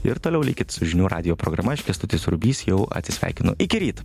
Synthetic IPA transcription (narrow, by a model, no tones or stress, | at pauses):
ɪɾt̪oːlʲɛʊlʲɪkʲɪt̪ʲsʊʒʲɪnʲuːɾʔɑ̰ːd̪ʲɪjoːpɾoːɡɾɐmɐɪʃʲkʲɛst̪ʊt̪ʲɪsɾʊbʲiːsjɛʊɐ̰t̪ʲsʲɪsʲʋʲæ̰ˑɪkʲɪnʊ̰ʔɪkʲɪɾʲiːt̪